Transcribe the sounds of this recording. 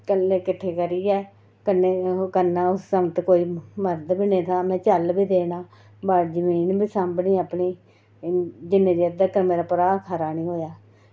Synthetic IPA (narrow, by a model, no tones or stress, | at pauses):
kəlːeːkɪʈʰːeːkəɾiːɛː | kəneːkənːaːʊsːəmət̪koːiːməɾd̪bineːt̪ʰaːmɛ̃ːt͡ʃəlbiːd̪eːnaː | baːɽd͡ʒəmiːnbiːsãmbɳiːaːpɳiː | d͡ʒɪnːẽːd͡ʒ̪iːəd̪əːkəɾmeːɾaːpəɾaːkʰaːɾaːnĩːɦoːjaː